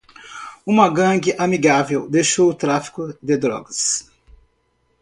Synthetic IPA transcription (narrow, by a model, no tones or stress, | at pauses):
ũmɐɡɐ̃ɡɪʔamiɡavewd̪ejʃowʊt̪ɾafi̥kʊd̪ed̪ɾɔ̰ɡɐs